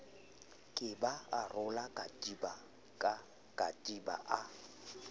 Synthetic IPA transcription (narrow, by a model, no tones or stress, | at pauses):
kʼɪbaarʊlakʼatʼiba | kʼa | kʼatʼiba̰ʔa